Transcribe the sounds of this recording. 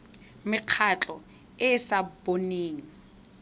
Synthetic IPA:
mɪq͡χʰat͡ɬʼɔ | ɪsaboneːŋ̩

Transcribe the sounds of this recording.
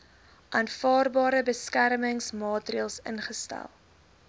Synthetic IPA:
ʔɑnfɑːrbɑːɾəbəskærməŋsmɑːtriəlˠsə̰nχəstæ̰lˠ

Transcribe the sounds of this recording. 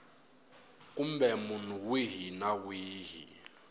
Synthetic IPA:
kʼumbɛmun̤uwiɦinawiːɦḭ

